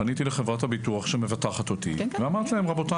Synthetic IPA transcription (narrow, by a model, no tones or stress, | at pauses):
anit̪ileχevʁathabit̪uaχʃemevat̪aχat̪ot̪ḭveamaʁt̪lahemʁabo̞t̪a